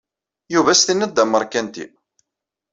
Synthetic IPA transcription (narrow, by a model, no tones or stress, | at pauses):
juvæsθinːəd̪ːæmːəɾˤkænt̪ḭ